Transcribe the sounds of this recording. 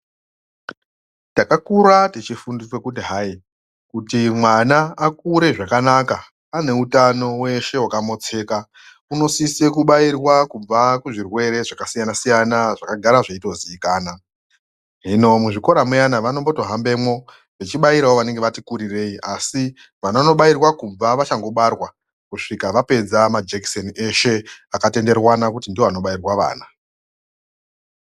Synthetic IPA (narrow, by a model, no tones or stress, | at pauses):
takakuɾatit͡ʃifundiswe̞kudiɦai | kutimwanaakuɾe̞ʐakanaka | ane̞utano̞we̞ʃe̞wakamo̞t͡se̞ːka | uno̞sise̞kuɓairwakub͡vakuʐirwe̞ɾe̞ʐakasijanasijanaʐakaɡʱaɾaʐaito̞ziːkaːna | ɦino̞muʐiko̞ɾamujanaʋano̞mbo̞to̞ɦambe̞mwo̞ | ʋet͡ʃiɓaiɾawo̞ʋane̞ŋɡe̞ʋatikuɾire̞iʔasi | ʋanono̞ɓairwakuɱvaʋat͡ʃaŋɡo̞ɓarwa | kuʂikaʋape̞d͡zamad͡ʒekso̞nie̞ʃe̞akate̞nde̞rwanakutindioano̞ɓairwaʋa̰ːna